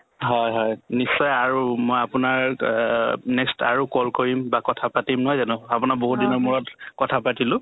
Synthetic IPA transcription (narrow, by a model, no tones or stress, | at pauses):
ɦɔjɦɔjnisɔjaɹumojapʊnaɹ | nɛkstaɹukɔlkoɹimbakɔtʰapatimnɔɦɔjzanʊapʊnaboɦut̚dinɔmuɹɔtkɔtʰapatilʊ̃